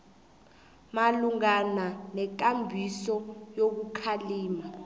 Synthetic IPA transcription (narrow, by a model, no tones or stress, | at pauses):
maluŋananɛk̬ambʱisɔjok̬ukʰaliːma